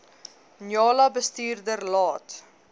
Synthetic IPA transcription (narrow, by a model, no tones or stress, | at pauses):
njɑːlɐbəstiːrdərlɑːt